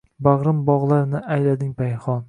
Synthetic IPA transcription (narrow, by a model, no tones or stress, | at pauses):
baʁɾɪmbɒʁlˠaɾnɪʔajlad̪ɪŋpʰajχɒn